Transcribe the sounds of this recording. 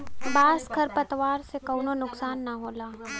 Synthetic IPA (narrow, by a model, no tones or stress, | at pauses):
baːskʰɐɾpɐt̪ʋaːɾsekɐːnonʊksaːnːaɦoːlaː